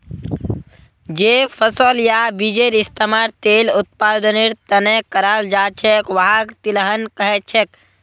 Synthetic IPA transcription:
d͡ʒepʰəsəljabid͡ʒeɾist̪əmaɾt̪elut̪̚pad̪əniɾt̪ənekəɾald͡ʒat͡ʃʰekʋəɦakt̪iləɦənkəɦet͡ʃʰek

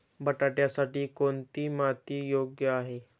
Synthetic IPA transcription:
bəʈaʈjasaʈiːkoɳt̪iːmat̪iːjoɡjəaɦe

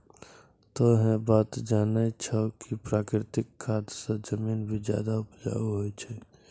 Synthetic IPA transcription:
t̪ɔɦɛ̃bat̪d͡ʒanɛt͡ʃʰəkipɾakɾɪt̪ɪkʰːat̪sə̃d͡ʒəminbʱid͡ʒja̰d̪aupd͡ʒa̰uɦojt͡ʃʰɛ

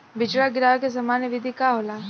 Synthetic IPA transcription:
bɪt͡ʃɽaɡɪɾaːʋkes̬ɐmaːnjəʋɪd̪ʱikaːɦoːlaː

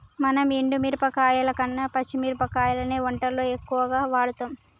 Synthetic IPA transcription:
mɐnɐmiɳɖumiːɾupɐkaːjɐlɐkɐnːɐpɐt͡ʃːimiːɾupɐkaːjɐlɐneːʋɔɳʈɐlːoːekːuʋɐɡaːʋaːɽut̪oːm

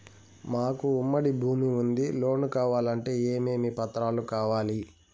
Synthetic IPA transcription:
maːkuːmːɐɽibʱuːmiund̪ilo̞ːnukaːʋaːlɐɳʈe̞ːeːmeːmiːpɐt̪ɾaːlukaːʋaːli

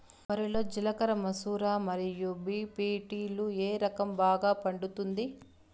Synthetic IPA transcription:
ʋɐɾiloːd͡ʒilɐkɐɾɐmɐsuːɾaːmɐɾijubiːpiːʈiːlueːɾɐkɐmbaːɡaːpɐɳɖut̪und̪i

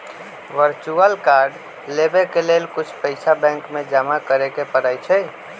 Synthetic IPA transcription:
ʋəɾt͡ʃuəlkaːɾɖ | lebekeleːlkʊt͡ʃʰpəɪsabɛ̃ŋkmẽd͡ʒamakəɾekepəɾaːjt͡ʃʰɛ

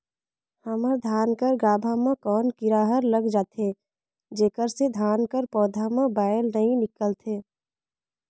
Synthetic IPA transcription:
həməɾd̪ʱjaːnkəɾɡaːbʱamãkɔːnkɪɾaːɦəɾləɡd͡ʒaːt̪ʰe | d͡ʒeːkəɾsed̪ʱaːnkəɾpɔːd̪ʱamãbaːəlnəɦĩnɪkəlt̪ʰeː

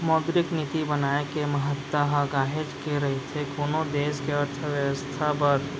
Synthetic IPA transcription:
mɔːd̪ɾɪknit̪ibənaːekeməɦət̪ːəɦəɡaːɦed͡ʒkeɾɐɦet̪ʰekoːnod̪eːskeəɾt̪ʰəʋjəwəst̪ʰapəɾ

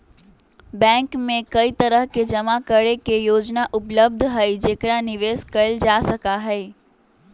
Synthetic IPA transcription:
bɛ̃ːŋkmẽkɐit̪ɐɾəɦked͡ʒɐmakəɾekejoːd͡ʒnaʔʊpləb̚d̪ʱɦɛid͡ʒeːkɽanɪʋeːskɐɪld͡ʒaːsəkaɦɛː

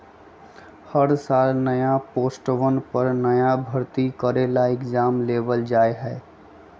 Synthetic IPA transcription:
həɾsalnəjaposʈʋənpəɾnəjabʱəɾt̪ikəɾelaekd͡ʒamlebəld͡ʒaeɦɛe

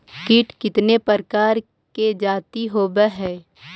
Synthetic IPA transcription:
kɪʈkɪt̪nepəɾkaːɾ | ked͡ʒaːt̪iɦoːbəɦɛː

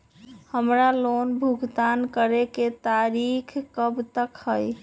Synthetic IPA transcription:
həmɾalonbʱuɡt̪ankəɾeket̪aɾikʰkəbt̪əkhəj

